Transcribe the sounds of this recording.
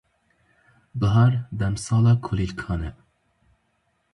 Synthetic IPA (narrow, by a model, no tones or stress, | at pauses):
bəɦɑɾd̪ɛmsɑːlɑːkʰolilkʰɑːnɛ